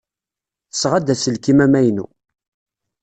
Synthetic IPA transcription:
θə̥sʁad̪æsəlkimæmæjnṵ

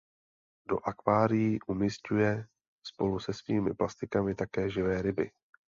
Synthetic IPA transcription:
do̞̰ʔakvaːɾɪjiʔumiscujɛ | spo̞lusɛsviːmɪ̰plast̪ɪkamɪt̪akɛːʒɪvɛːɾɪbɪ̰

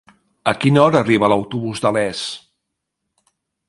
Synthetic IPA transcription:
əkinɔɾəːriβələwt̪uβuzd̪əlɛs

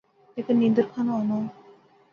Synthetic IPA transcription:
ekenind̪oɾkʰanoɔno

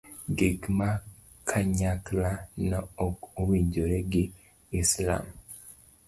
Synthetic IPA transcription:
ɡekma | kʰaɲaklanaoowiɲɟoɾeɡi | isla̰m

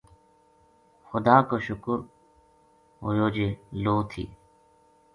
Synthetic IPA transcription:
xʊd̪aːkoːʃʊkɾ | ɦojoːd͡ʒeːloːt̪ʰḭː

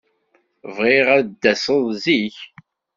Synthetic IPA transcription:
vʁeʁæðd̪ːæsəðˤziç

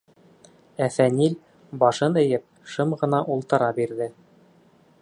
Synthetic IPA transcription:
æfænil | bɑʃɤnɘ̆jɘp̚ʃɤmʁɤ̆nɑʔulˠt̪ɤ̆ɾɑbiɾðɘ

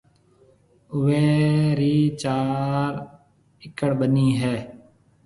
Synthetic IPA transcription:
ʊʋeːɾiːt͡ʃaːɾ | ɪkəɽɓəniːɦɛː

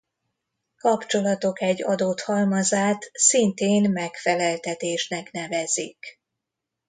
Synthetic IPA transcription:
kɒpt͡ʃo̞lɒt̪o̞kɛɟːɒd̪oːt̪hɒlmɒzaːt̪sint̪eːnmɛkfɛlɛlt̪ɛt̪eːʃnɛknɛvɛzik

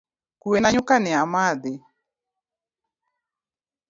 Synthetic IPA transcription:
kuenaɲʊkanɪamad̪ɪ

